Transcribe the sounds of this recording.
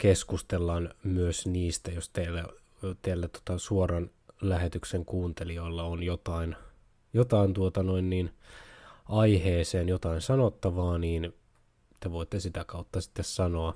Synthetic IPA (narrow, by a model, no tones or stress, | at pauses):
keskust̪elːɑːnmyøsniːst̪æjost̪eilːæ | t̪eælːæt̪ot̪ɑsuorɑn | læɦet̪ykseŋkuːnt̪elioilːɑonjot̪ɑin | jot̪ɑint̪uot̪ɑnoinːiːn | ɑiheːseːnjot̪ɑinsɑnot̪ːɑʋɑːniːn | t̪eʋoit̪ːesit̪ækɑut̪ːɑsi̥t̪ːessɑno̞ɑ